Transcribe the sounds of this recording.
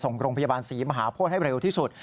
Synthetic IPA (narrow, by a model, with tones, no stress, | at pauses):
so˨˩ŋɾoː˧ŋpʰa˧ja˧baː˧nsiː˩˦ma˧ɦaː˩˦pʰuː˥˩t̪̚ha˥˩jɾe˧wt̪ʰiː˥˩su˨˩t̪̚